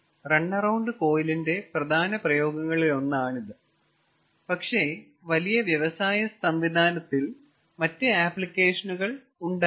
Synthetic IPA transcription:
reɳːɐrɐwɳɖɨko̞ːjilinde̞prɐd̪ʱaːnɐprɐjo̞ːɡɐŋːɐɭilo̞nːaːɳiðɨ | pɐkʂe̞ | ʋɐlijɐʋjɐʋɐsaːjɐst̪ɐmʋid̪ʱaːnɐt̪ːil | mɐtːɨaːplikʲːe̞ːʂɐnuɣɐɭ | uɳɖ

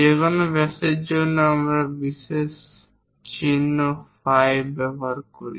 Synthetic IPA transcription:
ekɔnobɛsed͡ʑonːoamɾabises | t͡ɕinːofajbɛbaɾkoɾḭ

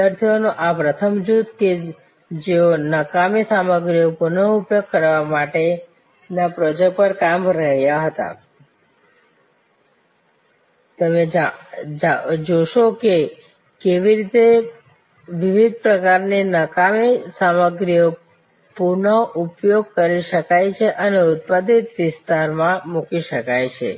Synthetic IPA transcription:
əɾt̪ʰijonõʔapɾət̪ʰəmd͡ʒut̪ke | d͡ʒeonəkamisaməɡɾijopuɾnəupjoɡ̚kəɾʋamaʈe | napɾod͡ʒəpəɾkamɾəɦjaɦət̪a̰ | t̪əme | d͡ʒoʃoke | keʋiɾit̪e | ʋiʋid̪̚pɾəkaɾnenəkamisaməɡɾijə | puɾɳəʔupjoɡ̚kəɾiʃəkajt͡ʃʰeʔəneʊt̪̚pad̪it̪ʋɪst̪aɾmãmukiʃəkajt͡ʃʰḛ

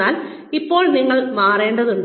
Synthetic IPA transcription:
aːl | ipːo̞ːɭniŋːɐɭʋaːre̞ːɳɖɐðuɳɖ

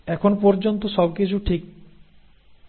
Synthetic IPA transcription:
ɛkʰonpɔɾd͡ʑont̪oʃɔbkit͡ɕʰuʈʰik̚

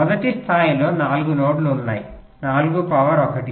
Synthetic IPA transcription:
ɔd̪ɐʈist̪ʰaːjilo̞ːnaːluɡunoːɽluːnːaːji | naːluɡupɐʋɐɾɔkɐʈi

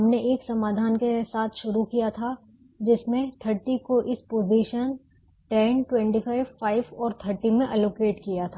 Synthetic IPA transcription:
ɦɐmneʔeːksɐmaːd̪ʱaːnkesaːt̪ʰʃʊɾukijat̪ʰa | d͡ʒɪsmẽt̪ʰəɾʈikoʔɪspoːziːʃən | ʈɛnʈwɛ̃ɳʈifaːɪʋfaːɪʋɔːɾt̪ʰəɾʈimẽʔɛloːkeːʈkijat̪ʰaː

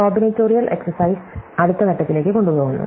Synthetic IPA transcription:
oːbineːtːoːɾijɐlʔe̞̰ksɐrsɐjsɐɽut̪ːɐkɐʈːɐt̪ːile̞ːkːɨko̞ɳɖupo̞ːɣunːṵ

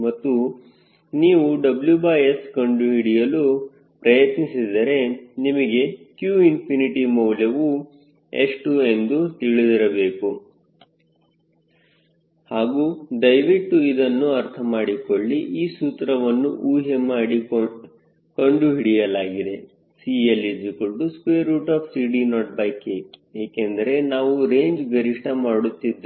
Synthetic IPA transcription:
mɐt̪ːu | niːʋuɖɐbljubaːjeskɐɳɖuɦiɽijɐlu | pɾɐjɐt̪nisid̪ɐɾe̞nimɐɡe̞kjuːimpʰuniʈimɐwljɐʋu | ḛʂʈue̞nd̪ut̪iɭid̪iɾɐbe̞ːku | haːɡuːd̪ɐjʋiʈːuid̪ɐnːuɐɾt̪ʰɐmaːɽiko̞ɭːiʔiːsuːt̪ɾɐʋɐnːuʔuːɦemaːɽi | koɳɖuɦiɽijɐlaːɡid̪e̞ | sielid͡ʒikoɳɖuskʋeːɾuːʈaːpsiːɖinɔːʈ̚bɐjkeeːkend̪ɐɾe̞naːʋuɾe̞ːɲd͡ʒɡɐɾiʂʈʰɐmaːɽut̪ːid̪e

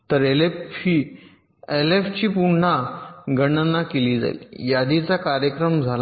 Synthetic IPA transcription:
t̪əɾelei | eleft͡ɕiːpuɽɳaɡəɽənːakeliːd͡za̰ḭjad̪it͡sakaɾjəkɾəmd͡zʱala

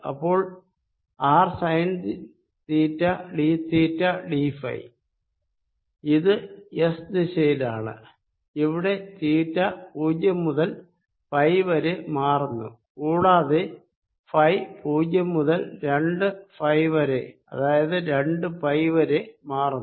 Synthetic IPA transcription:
ɐ̰pːo̞ːɭ | aːrsɐjns | t̪iːtːɐɖit̪iːtːɐɖifɐ̰j | iðɨesd̪iɕejlaːɳɨ̰ | iʋiɽe̞t̪iːtːɐpuːd͡ʑjɐmːuðɐl | pɐjʋɐɾemaːrunːṵ | kuːɽaːðe | fɐjpuːd͡ʑjɐmːuðɐlɾe̞ɳɖɨfɐjʋɐɾeɐ̰ðaːjɐðɨɾe̞ɳɖɨpɐjʋɐɾemaːru

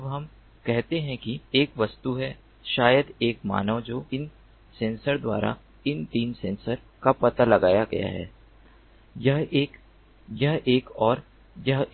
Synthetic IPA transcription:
ɐbɦɐm | kɛɦt̪eɦɛ̃kieːkʋɐst̪uɦɛ | ʃaːjəd̪eːkma̰ːnəʋd͡ʒoːɪn | sẽːnsəɾd̪wa̰ːɾa̰ | ɪnt̪iːnsẽːnsəɾ | kapɐt̪alɐɡaːjaɡɐ̰ja̰ɦɛ̰ː | jɐɦeːk | jɐɦʔeːkɔːɾ | jɐɦ

